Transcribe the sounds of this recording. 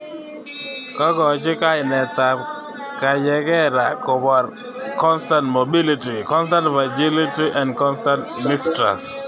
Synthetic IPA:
kɔ˦ɡɔ˨t͡ʃɪ˦ka˦ɪnɛ˨t̪a˨ | ka˨jɛ˨ɡɛ˦ɾa˨kɔ˨ba˨ɾ | kɔ˦nstãntmobi˦li˦ti˨kɔ˦nsta˦ntfa˨d͡ʒi˦li˦ti˦ʔã˨ndkɔ˦nstã˦ntmistɾa̰s

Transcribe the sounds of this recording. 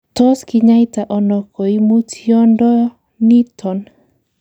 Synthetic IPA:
tɔ˦ski˦ɲa˦jta˨ʔɔ˨nɔ˨kɔ˨i˦mu˦tijɔ˦ndɔ˦ | ni˦tʰɔ˨n

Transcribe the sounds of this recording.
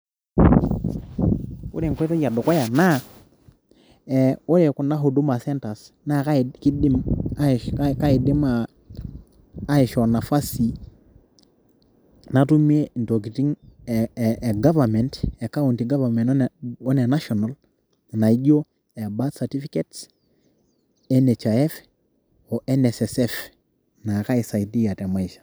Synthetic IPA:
ṵ˦ɾe˨ŋkʷwɛ˦tɔ˦d͡ʒa˨dɔ˨kɔ˦ja˨na˦ | ɛu˦ɾɛ˨ku˨na˦ɦu˨du˦ma˨sɛ˦nta˨s | na˦ka˦ki˦di˦m | ka˦i˨dɪ˦ma˦ | i˨ʃɔ˨na˨fa˦si˨ | natu˦me˦nto˨ki˨ti˦ŋ | ɡa˦vamente˨ka˦u˨nti˨ɡa˦va˨me˨nɔ˦ne˨na˦ʃɔna˨l | na˨i˦ɟo˦ | e˨batsa˨ti˦fi˦ke˦ts | e˦net͡ʃaɛ˦f | o˨ʔɛnesesɛf | na˨ka˦i˨sa˨i˨di˦ja˨te˨ma˦iʃḁ

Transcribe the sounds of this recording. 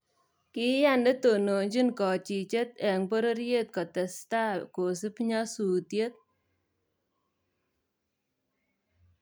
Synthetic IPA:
kɪ˦ja˦nde˦t̪o˨no˨ɲd͡ʒi˦nkɔ˨t͡ʃi˨t͡ʃe˦t̪ɛ˨ŋpo˦ɾo˦ɾje˦t̪̚kɔ˨t̪ɛ˨st̪a˦ko˨si˦pɲa˦su˨t̪je˦t̪̚

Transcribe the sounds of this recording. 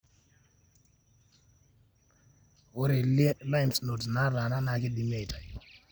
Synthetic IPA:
wo˦ɾe˨li˦e˦la˦i˨msno˨tna˦ɾa˨na˦na˨˦ki˦ɗi˨mi˦a˨jtʰa˨ji˨

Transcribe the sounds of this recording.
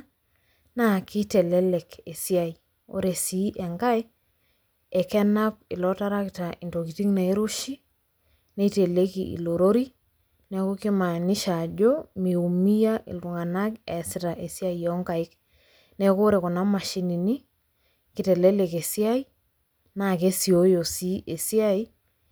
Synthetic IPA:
naki˦tɛ˨lɛ˦le˨ke˨si˦a˨i˨ | o̰˦ɾe˨si˦ʔɛ˨ŋɡa˦e˦ | e˨kɛ˦na˦pɪ˨lɔta˦ɾa˦ktaʔinto˨ki˨ti˦ŋna˨i˦ɾu˦ʃi˦ | ne˦i˦te˨le˦kiʔḭ˨lo˨ɾo˦ɾi˦ | nɛ˨ko˦ki˦ma˨nɪ˦ʃa˨ɟo˦mi˨u˨mi˦ja˦ʔɪ̰˨lʊ˨ŋa˨na˦kɛ˨sɪ˦ta˨ʔe˨si˦a˦ijɔ˦ŋɡa˨ɪk | nɛ˨ko˦ɾe˨ko˨na˦ma˨ʃi˦ni˨ni˦ | kɪ˨te˨le˦le˨ke˨si˦a˦i˦ | na˨ke˦si˨o˦jo˨si˦ʔe˨si˦a˦i˦

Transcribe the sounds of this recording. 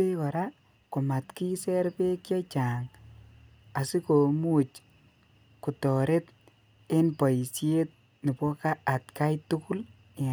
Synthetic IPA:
e˦kɔ˨ɾa˦ | kʊ˨ma˨tki˦sɛ˦ɾpe˦kjɔ˦t͡ʃa˨ŋ | a˨si˦ko˨mu˦t͡ʃ | ku˨tɔ˨ɾe˦t | e˦npɔ˨i˨sje˦t̚ | ni˨pwɔ˦kaː˦˨tka˦jtʊ˦kʊ˦l

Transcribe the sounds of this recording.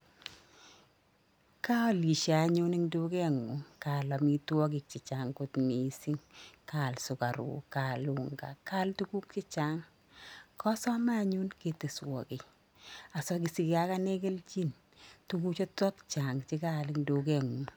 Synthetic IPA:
ka˦ɔ˦li˨ʃa˨ɲu˦nɪ˦ŋdu˦kɛ˦ŋu˨ka˨lɔ˨mi˦twɔ˦kɪ˨k̚t͡ʃɪ˨t͡ʃa˨ŋkʊ˨tmi˨si˦ŋka˨lsʊ˨ka˨ɾʊ̰˨ka˨lʊ˨ŋɡa̰˨ka˦ltu˦ku˦k̚t͡ʃɪ˦t͡ʃa˦ŋ | kɔ˦sɔ˦ma˦ɲu˦nke˨te˨swɔ̰˨kɪ˨ | a˨sɔ˨k̬i˨si˨ke˨a˨ka˦nɛ˦kɛ˦lt͡ʃi˦n | tuku˦t͡ʃɔ˦tɔ˦kt͡ʃa˨ŋt͡ʃɪ˦ka˦lɪ˨ŋdu˨˦kɛ˦ŋu˨

